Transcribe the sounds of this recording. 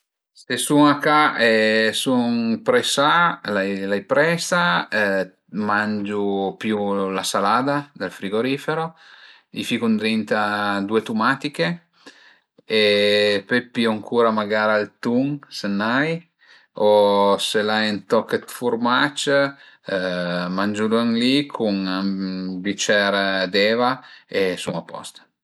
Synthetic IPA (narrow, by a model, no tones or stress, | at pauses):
sesuŋakaesuŋpɾɛsalajlajpɾɛsa | mand͡ʒupjulasalaːd̪ad̪elfɾiɡoɾifeɾo | ifikund̪ɾint̪ad̪uet̪umat̪ike | epepːiaŋkʰuːɾamaɡaːɾalt̪uŋsenːaj | oselaɛnt̪ɔkːet̪fuɾmat͡ʃ | mand͡ʒuluŋlikʰuŋabit͡ʃɛɾd̪ɛːvaesuŋapːɔ̰st̪ḁ